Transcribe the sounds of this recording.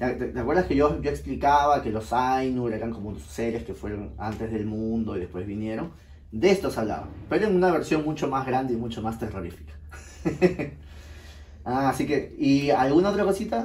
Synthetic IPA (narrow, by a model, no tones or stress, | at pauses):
at̪et̪eakwe̞ɾðaske̞ʝojoeksplikaβake̞lo̞sajnueɾeɾaŋko̞monosse̞ɾe̞ske̞fwe̞ɾo̞na̰nt̪e̞zðe̞lmũnd̪o̞iðe̞spwezβinje̞ɾo̞ŋ | d̪eest̪o̞saβla̰βa̰pe̞ɾoeŋunaβe̞ɾsjo̞ŋmũnt͡ʃo̞mazɣɾand̪e̞imũnt͡ʃomast̪e̞ro̞ɾifi̥kḁ | aːsike̞ialɣunao̞t̪ɾakosit̪a